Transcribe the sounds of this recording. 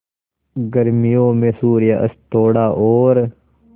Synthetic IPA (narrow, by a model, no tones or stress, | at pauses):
ɡəɾmijõːmẽːsuːɾjaʔɐ̰st̪oːɽaːʔoːɾ